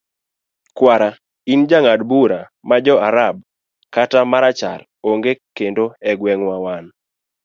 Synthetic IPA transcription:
kwaɾa | ind͡ʒaŋadbuɾa | mad͡ʒɔaɾab | katamaɾat͡ʃa̰r | oŋɡekendoɛɡwɛŋwawan

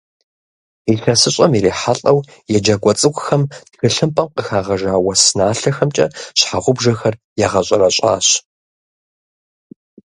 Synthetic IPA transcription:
ixɐsɨɕʼɐmjiɾeːħaɬʼɐw | jɛd͡ʒɐɡʷɔt͡sʼɨkʷʼʊxɐmtxɨɬɨmpʼɐmqəxaːʁɐʒaːwɐsɨnaːɬɐxɐmt͡ʃʼɐ̰ɕħaʁʷʊbʒɐxɐr | jɛʁɐɕʼɐɾɐɕʼa̰ːɕ

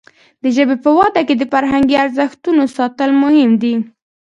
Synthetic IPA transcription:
d̪əʒəbepəwɑd̪aked̪əfaɾɦaŋɡiaɾzəxt̪unosɑt̪əlmʊhɪmd̪i

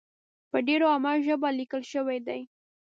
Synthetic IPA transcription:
pəɖeɾoamɑʒəbalikəlʃəwejd̪aj

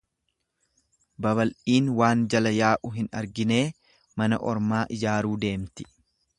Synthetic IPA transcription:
bɐβɐlʔiːnwaːnd͡ʒɐlɐjaːʔʊɦɪnɐɾɡɪne̞ː | mɐnɐʔɔɾmaːʔɪd͡ʒaːɾuːd̪e̞ːmt̪ɪ̥

